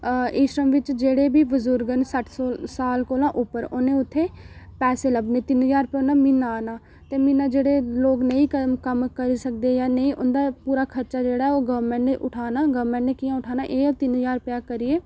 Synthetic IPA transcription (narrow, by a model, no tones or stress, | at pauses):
ɪʃɾəmʋɪt͡ʃd͡ʒeːɽeːbiːbəzʊɾɡənsəʈʰsoːsaːlkoːlãːʔʊpəɾoːnẽːʊt̪ʰːeːpɛːseːləbneːt̪ɪnɦəzaːɾʊpjaonaːmɪnːaːnaː | t̪eːmɪnaːd͡ʒeːɽeːloːɡnəĩːkəkəmkəɾiːsəkd̪eːjaːnəĩːʔʊnd̪aːpuːɾaːkʰəɾt͡ʃaːd͡ʒeːɽaːɛoːɡəʋəmɛ̃ɳʈneʔʊʈʰaːnaːɡəʋmɛ̃ɳʈneːkijãːʊʈʰaːnaːʔeːot̪ɪnɦəzaːɾʊpjaːkəɾɪeː